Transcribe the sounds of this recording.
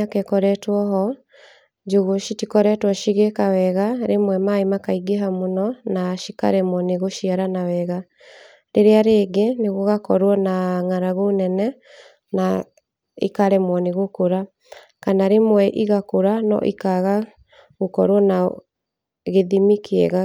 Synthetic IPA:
akɛkɔɾɛtwɔɦɔ | d͡ʒoɣoʃitikɔɾɛtwɔʃiɣekawɛɣaɾemwɛmaimakaiɡeɦamonɔnaʃika̰ɾɛmwɔneɣoʃiaɾanawɛɣa | ɾeɾeaɾeːɡeneɣoɣakɔɾwɔnaŋaɾaɣonɛnɛ | na | ḭkaɾɛmwɔneɣokoɾa | kanaɾemwɛʔiɣakoɾanɔ̰ʔḭkaɣa | ɣokɔɾwɔna | ɣeðimikiɛ̰ɣa

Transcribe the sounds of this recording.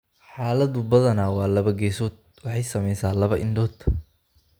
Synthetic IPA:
ħaːlɐðʊbɐðɐnaːwɑːlɐβɐɡɛːsɔːd̪̚ | wɑħɑjsɐmɛjsaːlɐβɐʔɪnɖɔːt̪ʰ

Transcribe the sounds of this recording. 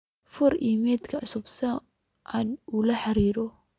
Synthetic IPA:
fʊɾḭːmɛːd̪kʰɐʕʊsʊbsɐ | ʔanulɐħɑɾiːɾɔ

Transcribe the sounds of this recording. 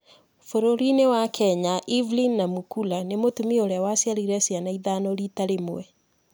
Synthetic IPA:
foɾoɾinewakʰɛɲaʔivlinːamukulanemotumioɾeawasjaɾiɾɛsjanaiðanɔɾitaɾemwɛ

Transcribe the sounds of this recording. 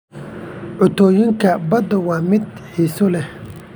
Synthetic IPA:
ʕʊt̪ʰɔːjɪŋkʰɐbɐd̪ɐwɑːmɪd̪ħiːsʊlɛ

